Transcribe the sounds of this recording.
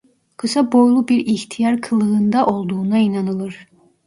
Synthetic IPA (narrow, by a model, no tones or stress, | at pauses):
kʰɯsabo̞jlˠubiɾiçt̪ʰijaɾkʰɯlˠɯɯnd̪aʔo̞lˠd̪uːnainɑnɯlˠɯɾ̥